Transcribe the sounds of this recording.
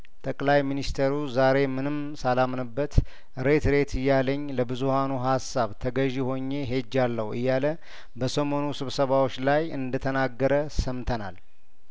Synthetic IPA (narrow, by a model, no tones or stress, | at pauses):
t̪ʼəkʼlajminist̪ʰeɾuzaɾe̞mɨnɨmsalamnɨbːət̪ | ɾet̪ɾe̞t̪ʰɨjːaləɲːləbɨzuhanuɦasːaβt̪ʰəɡəʒiho̞ɲːe̞ɦe̞d͡ʒːalːəhuɨ̰jːalə | bəsəmo̞nusɨβsəβawot͡ʃːlajɨnd̪ət̪ʰənaɡːəɾəsəmt̪ʰəna̰l